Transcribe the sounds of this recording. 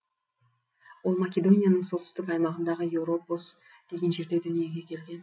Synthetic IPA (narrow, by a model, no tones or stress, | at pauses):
wo̞lˠmakʲe̞d̪o̞nʲijanəɴso̞t̪ʰʏ̥st̪ɪkɑjmɑʁənd̪ɑʁəjewɾo̞pos | d̪̥e̞ɡʲe̞nʒe̞ɾd̪e̞d̪ʏnije̞ɡʲe̞kʲʰe̞lɡʲe̞n